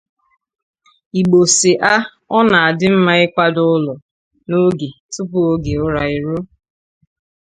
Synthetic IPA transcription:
i˨ɡ͡bo˨sɪ˨ʔa˦ | ɔ˦na˨a˨dɪ˦m̩˦ma˦ɪ˦kʷa˦dʊ˦lɔ˨ | no˦ɡe˨tʊ˦pʊ˦o˦ɡe˨ʊ˦ɾa˨ɪ˨ɾo˦

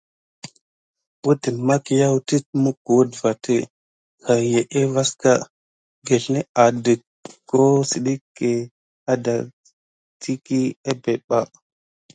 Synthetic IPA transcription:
bu˦ti˨nma˦ki˨ja˦wu˦ti˦t̚mu˦k̚u˨wu˦dva˨te˦ | xa˨je˨ʔe˦va˦ska˦ | ɡe˨ɬne˦a˨də˨k | kːo˦si˨ɗi˦kːe˨ | a˦da˨ | tʰi˦ki˦a˦be˨ɓa˦

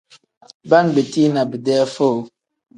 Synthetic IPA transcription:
ba˦nbə˨ti˦na˨bi˨dɛ˦fo˦˨

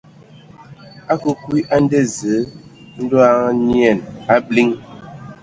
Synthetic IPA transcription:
a˦ku˦kwi˦ʔa˦n˦de˦˨zə˨˦ | n̩˦do˦a˦njɛ˦˨na˦bli˦ŋ

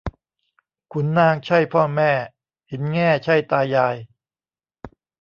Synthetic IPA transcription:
kʰu˧nːaː˧ŋt͡ɕʰa˥˩jpʰɔː˥˩mɛː˥˩ | hi˨˩˦nŋɛː˥˩t͡ɕʰa˥˩jt̪aː˧jːaː˧j

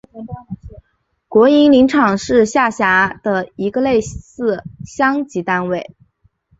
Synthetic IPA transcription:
kwɔ˧˥i˧˥nli˧˥ŋʈ͡ʂʰɑ˨˩ŋʂɻ̩˥˧ɕja˥˩ɕja˧˥d̪̥ə˧i˧˥ɡə˧le˥˧ɪsɹ̩˥˩ɕjɑ˥ŋt͡ɕi˧˥t̪a˥nwe˥˩ɪ

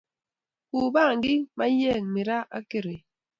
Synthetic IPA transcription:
ku˨ba˦˨ŋ̩˨ɡi˦ma˦jɛː˦˨ŋmi˨ɾa˦ʔa̰˦ke˨ɾe˨

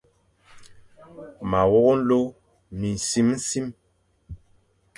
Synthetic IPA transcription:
ma˨wɔ˦ɣo˦n̩˦lo˦ | mi˨n˨si˦mn̩˦si˦m

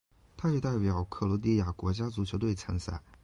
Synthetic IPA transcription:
t̪ʰa˥jɛ˧˥t̪a˥˩ɪpjɑ˨˩˦ʊkʰɤ˥˩lwɔ˧˥t̪̬i˥˩ja˥˩kwɔ˧˥t͡ɕja˥t͡su˨˩t͡ɕʰjo˧˥ʊt̪we˥˩ɪt͡sʰə˧˥ŋsa̰˥˩ɪ

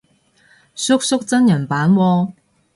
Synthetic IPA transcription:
sʊ˥k̚sʊ˥k̚t͡sɐ˥njɐ˨˩npaː˨˥nwɔː˧

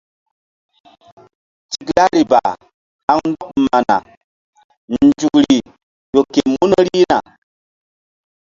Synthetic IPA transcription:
t͡ʃi˨kla˦ɾi˨ba˨ | ha˦ŋn̩˦dɔ˦k̩̚˨ma˨na̰˨ | n̩˨d͡ʒu˨kɾi˨ | jo˨ke˨mu˦nə˦ɾi˦na˨

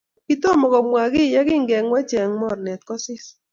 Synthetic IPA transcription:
kɪ˦to˦˨mɔ˨kɔ˨mwa˨ɡɪ˦˨ja˦kɪ˦ŋɡɛ˨ŋwɛ˦t͡ʃe˨ŋmɔ˦˨ɾnɛ˨t̪̚kɔ˦sɪ˦s

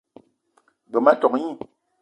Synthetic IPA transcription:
ɡ͡bə˨ma˦tɔ˨kɲi˦

